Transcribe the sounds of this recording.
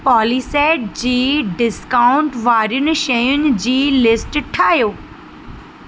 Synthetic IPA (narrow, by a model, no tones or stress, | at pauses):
pɔːlisɛːʈ̚d͡ʑiːɖɪskaːʊ̃ɳʈʋaːɾjʊnɪ̆ʃɐjʊnɪ̆d͡ʑiːlɪsʈʈʰaːɦjoː